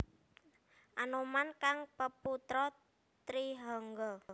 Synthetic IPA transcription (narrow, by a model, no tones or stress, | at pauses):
ʔanomankaŋpəput̪ɾɔ | t̪ɾiɦɔŋɡɔ